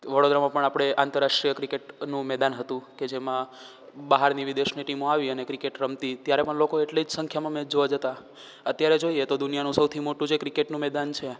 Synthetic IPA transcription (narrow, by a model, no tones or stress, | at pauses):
ʋəɽod̪ɾamãpəɳapɽ̃eʔãnt̪əɾːaʂʈɾijəkɾikeʈnũmɛd̪anɦət̪ũked͡ʒemã | baɦaɾniʋid̪eʃniʈimoaʋiənekɾikeʈɾəmt̪it̪jaɾepəɳlokoeʈled͡ʒsə̃ŋkʰjamãmɛd͡ʒoʋad͡ʒət̪a | ət̪jaɾed͡ʒoiet̪od̪unijanũsəwt̪ʰimoʈũd͡ʒekɾikeʈnũmɛd̪ant͡ʃʰe